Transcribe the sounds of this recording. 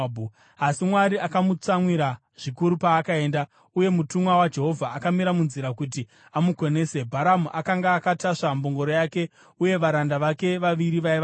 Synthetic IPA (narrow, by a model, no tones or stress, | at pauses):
bʱu | asimwaɾiʔakamut͡samwiɾa | ʐ̥ikuɾupaːkae̞ːnda | uje̞mutumwawad͡ʒe̞ɦo̞vʱaːkamiɾamunziɾakut̬i | amuko̞ne̞ːse̞bʱaɾamuʔakaŋɡaːkataʂamboŋɡo̞ɾo̞jake̞ | uje̞ʋaɾandaʋake̞ʋaʋiɾiʋaiʋa